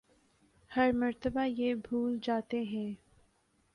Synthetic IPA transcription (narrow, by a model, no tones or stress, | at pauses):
hɐɾmɐɾt̪əbajeːbʱuːld͡ʒaːt̪eɦɛ̃ː